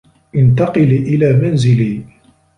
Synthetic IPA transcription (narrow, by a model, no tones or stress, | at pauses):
ʔɪnt̪ɑqɨliːʔɪlaːmanzɪliː